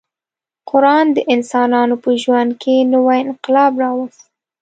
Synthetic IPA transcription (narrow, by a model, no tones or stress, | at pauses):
qʊɾɑnd̪əʔɪnsɑnɑnopəʒwand̪̚kʰenəwajɪnqɪlɑbɾɑwəs